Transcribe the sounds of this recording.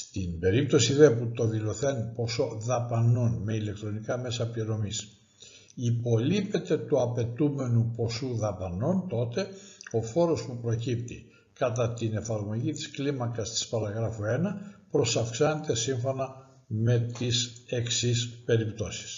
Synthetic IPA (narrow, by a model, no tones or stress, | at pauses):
st̪inbe̞ɾip̚t̪o̞siðeput̪o̞ðilo̞θenpo̞so̞ðɐpɐno̞nme̞ile̞k̚t̪ɾo̞nikɐme̞sɐpliɾo̞mis | ipo̞lipe̞t̪e̞t̪uɐpe̞t̪ume̞nupo̞suðɐpɐno̞nt̪o̞t̪e̞o̞fo̞ɾo̞spupɾo̞cipt̪i | kɐt̪ɐt̪ine̞fɐɾmo̞ʝit̪i̥sklimɐkɐst̪i̥spɐɾɐɣɾɐfoe̞nɐpɾo̞sɐfksɐne̞t̪e̞siɱfo̞nɐ | me̞t̪ise̞ksispe̞ɾipt̪o̞si̥s